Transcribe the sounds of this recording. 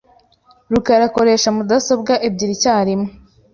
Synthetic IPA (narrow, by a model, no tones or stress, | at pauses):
ɾukaɾako̞ɾe̞ːʃamudaso̞bɡaʔeb̚ɟiɾicaːɾimo